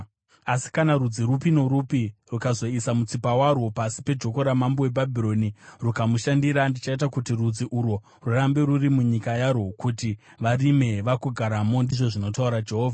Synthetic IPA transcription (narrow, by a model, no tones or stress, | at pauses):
asi̥kanarud͡ziɾupino̞ɾupirukazo̞isamut͡sipawaɾwo̞pasi̥pe̞d͡ʒo̞ko̞ɾamambowe̞bʱabʱiɾo̞nirukamuʃandiɾandit͡ʃait̬akutirud͡ziʔuɾwo | rurambe̞ɾurimuɲikajaɾwokuti | ʋarime̞ʋakuɡʱaɾamo̞ndiʐo̞ʐino̞tauɾad͡ʒe̞ɦoːvʱa